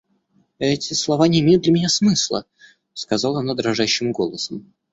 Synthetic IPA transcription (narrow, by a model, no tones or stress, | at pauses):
ɛtʲɪslˠɐvanʲɪːmʲejʊt̪d̪lʲɪmʲɪnʲasmɨslˠə̰ | skɐzɑlˠɐnad̪ɾɐʐaɕːɪmɡo̞lˠəsəm